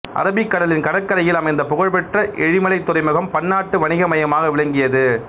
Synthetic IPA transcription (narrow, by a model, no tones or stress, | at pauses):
ʔɐ̰ɾɐbɪkːɐɽɐlɪnkɐɽɐkːɐɾɐjɪlɐmɐɪnd̪ɐpɔɣɐɻpɛʈrɐʔɛɻɪmɐlɐɪt̪ːʊɾɐɪmɐɣɐmpɐɳːaːʈːɯʋɐnɪɣɐmɐjɐmaːɣɐʋɪɭɐŋɡɪjɐðɯ